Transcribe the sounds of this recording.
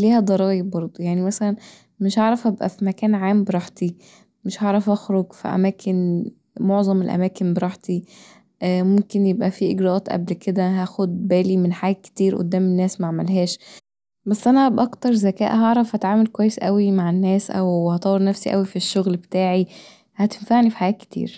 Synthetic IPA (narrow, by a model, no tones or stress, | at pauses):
liːhæd̪ˤɑɾˤɑːjɑbɑɾˤd̪ˤojaʕnimæsælæn | meʃhɑʕɾˤɑfʔæbʔæ̰fimækæːnʕaːmbeɾˤɑħt̪i | meʃhɑʕɾˤɑfʔɑxɾoɡfḭʔæ̰mæːkʰen | moʕzˤɑmelʔæ̰mæːkenbeɾˤɑːħt̪i | ʔmomkenjebʔæfiʔeɡɾæʔɑːt̪ʔæ̰blkʰed̪æɦæxod̪̚bæːlimenħajæːt̪̚ke̥t̪iːɾʔo̰d̪ːæːmenːæːsmaʕmælɦæːʃ | bæsːʔænæʔæbʔɑkt̪ɑɾˤzækæ̰ːʔɦɑʕɾˤɑfhæt̪ʕaːmælkowæjːesʔæwimaʕenːæːsʔæ̰whɑt̪ˤɑwːeɾnæfsiʔæ̰wifiʃːoɣlbet̪aːʕi | hæt̪enfaʕnifi̥ħajæːt̪̚ke̥t̪ḭːɾ